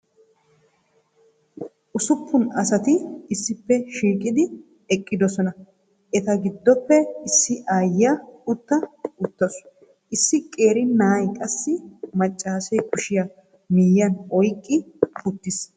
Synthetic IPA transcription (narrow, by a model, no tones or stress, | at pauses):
ʔʊsʊpːʊnɐsɐt̪ɪɪsːɪpːɛʃiːkʼɪd̪ɪ | ɛkʼːɪd̪ɔsɔnɐ | ʔɛt̪ɐɡɪd̪ːɔpːɛɪsːɪʔaːjɪjɐʊt̪ːɐʊt̪ːɔs | ʔɪsːɪkʼe̞ːɾɪnaːjkʼɐsːɪmɐt͡ʃʼːaːsɛjkʊʃɪjɐ | mɪjːɐnɔjkʼːɪʊt̪ːɪs